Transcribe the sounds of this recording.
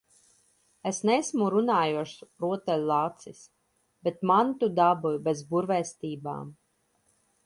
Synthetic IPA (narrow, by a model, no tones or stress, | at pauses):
esnɛsmuɾunaːjuɔʃɾuɔt̪ɛlʲlˠat̪sis | bet̪mant̪ud̪abujbɛzbuɾvɛst̪iːba̰ːm